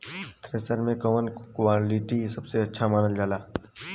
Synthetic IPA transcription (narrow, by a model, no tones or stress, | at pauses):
t̪ɾeːsəɾmẽkɔːmənkwaːlɪʈisɐbseɐtːʃʰamaːnəld͡ʒaːlaː